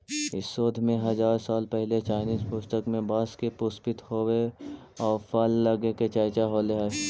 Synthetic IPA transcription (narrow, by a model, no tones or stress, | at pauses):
ɪ̰sːoːd̪ʱmẽɦɐzaːɾsaːlpɛɦlet͡ʃaːɪniːzpʊst̪əkmẽbaːskepʊspɪt̪hoːwe | ɔːɾfalːɐɡeket͡ʃajt͡ʃaɦoleɦɛː